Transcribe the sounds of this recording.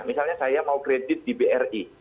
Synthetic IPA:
misalɲasajamaukɾedɪt̪̚dibeʔɛri

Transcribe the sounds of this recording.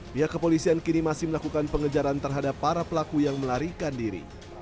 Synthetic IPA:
biakːəpolisiankinimasɪhməlakukanpəŋəd͡ʒaɾant̪ərɦadapːaɾapəlakujaŋməlaɾikandiɾḭ

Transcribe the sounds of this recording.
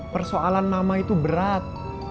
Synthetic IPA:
pərsoalanmamait̪ubəɾat̪̚

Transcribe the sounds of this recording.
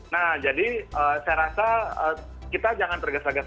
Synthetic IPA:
nahd͡ʒadiəːsajɾasaəː | kit̪ad͡ʒaŋant̪ərɡasaɡas

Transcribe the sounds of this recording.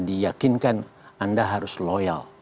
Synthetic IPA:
dijakɪnkanandaɦaɾʊsloja̰l

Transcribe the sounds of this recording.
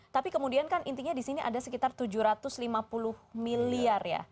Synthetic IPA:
t̪apikəmudiankanʔint̪iɲadisiniʔa̰dasəkit̪art̪ud͡ʒuhɾat̪ʊslimapulʊhmiliarja̰

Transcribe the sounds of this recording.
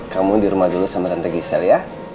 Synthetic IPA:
kamudiɾumahdulusamat̪ant̪aɡisɛlja

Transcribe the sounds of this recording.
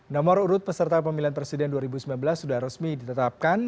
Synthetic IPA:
nɔmɔɾuɾʊt̪̚pəsərt̪ap̬əmilanpɾesidɛnduaɾibusəmilanbəlasːudahrəsmidit̪ət̪ap̚kan

